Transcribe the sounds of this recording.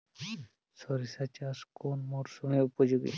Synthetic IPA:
sɔɾisat͡ɕaskonmoɾsumeupod͡ʑuɡḭ

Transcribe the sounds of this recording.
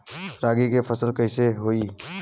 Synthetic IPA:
ɾaːɡikefʰəsəlkəɦɪseɦoːiː

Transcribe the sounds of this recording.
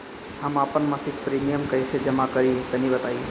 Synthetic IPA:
ɦəmaːpənmãsikpɾiːmijəmkɐɪsed͡ʒɐmakəɾĩt̪ɐnĩbət̪aːi

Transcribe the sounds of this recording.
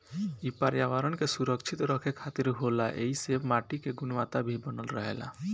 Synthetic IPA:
ipaɾjaʋaɾənkesuɾəkt͡ʃʰit̪ɾəkʰekʰat̪iɾɦolaʔeisemaʈikeɡunʋat̪abʱibənəlɾəɦḛla̰

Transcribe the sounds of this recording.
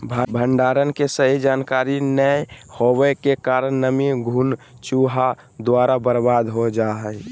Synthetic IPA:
bʱbʱəɳɖaːɾənkesəɦid͡ʒaːnkaɾinəhowɛkekaɾənːəmiɡʱun | t͡ʃuɦa | d̪waɾabəɾbad̪ɦod͡ʒaɦɛj

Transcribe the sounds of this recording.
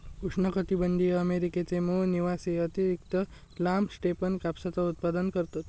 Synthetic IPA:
uʂɳəkət̪ibənɖ̪ijəmeɾiket͡semoniʋaseət̪iɾikt̪ə | lamsʈepənkapsat͡sɔut̪̚pad̪ənkəɾt̪ot̪

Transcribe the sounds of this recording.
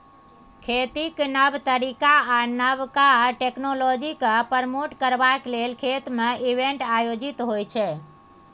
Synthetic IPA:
kʰet̪iknəbt̪əɾikaːnəβkaʈeknolɔd͡ʒikəpəɾmoʈkəɾbaklelkʰet̪meibeɳʈajod͡ʒit̪ɦojt͡ʃʰɛ

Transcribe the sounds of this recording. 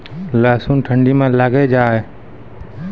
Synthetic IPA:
laːsunʈʰəɳɖimẽləɡed͡ʒaːɛ

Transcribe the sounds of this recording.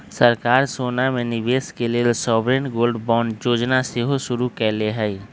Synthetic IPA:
səɾkaːɾsoːnamẽnɪʋeːskelesɔːbɾenɡoːlɖbɔːnɖjoːd͡ʒnasɪɦoʃʊɾukɛːleɦɛi

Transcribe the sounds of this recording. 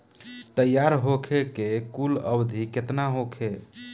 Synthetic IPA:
t̪əjaɾɦokʰekekulə̰bd̪ʱiket̪naɦokʰe

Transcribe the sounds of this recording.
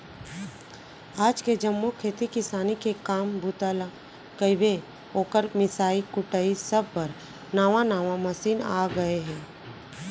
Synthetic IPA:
aːd͡ʒked͡ʒəmːokʰeːt̪ikɪsaːnikekaːmbʱuːt̪aːla | kəɪbe | oːkəɾmɪsaːikʊʈəisɐb̚pɐɾ | naːʋanaːʋãmɐsiːnaːɡɐeɦɛ̃ː

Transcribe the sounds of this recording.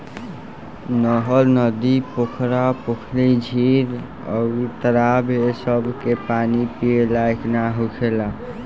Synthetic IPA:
nɔɦəlnəd̪ipokʰɾapokʰlid͡ʒʱiɾ | ɔ̰it̪əɾabesəbʱkepanipielajknaɦukʰela

